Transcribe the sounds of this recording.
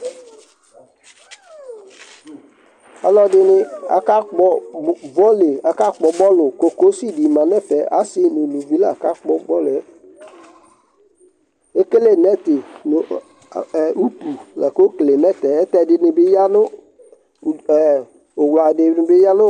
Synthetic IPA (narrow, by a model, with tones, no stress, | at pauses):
a˨lɔ˦dɪ˦nɪ˦a̰˨ka˦k͡pɔ˦vɔ˦le˨a˨ka˦k͡pɔ˨bɔ˦lʊ˨ko˨ko˨˦si˦˨di˨mã˨nɛ˦˨fɛ˨a̰˨˦sɪ˦ni˨nu˨vi˦la˦˨ka˦k͡pɔ˦ɡ͡bɔ˦lʊ˨ɛ˦ | e˦ke˦le˦˨nɛ˦tɪ˨n˨ | u˦pu˨la̰˨ko˦ke˨le˨mɛ˦tɛ˨ɛ˦tɛ˦˨dɪ˦nɪ˦bɪ˦ja˦nʊ˦˨ | ʊ˨wa˨dɪ˨˦ɪ˨˦bɪ˦ja˦nʊ˦